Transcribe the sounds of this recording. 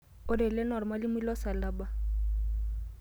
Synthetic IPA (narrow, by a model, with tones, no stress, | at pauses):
ʊ˦dɛ˨lɛ˦nɔ˨ɾɔ˨ma˦lɪ˦mʊ˦i˦lɔ˦sa˨la˨ba˦˨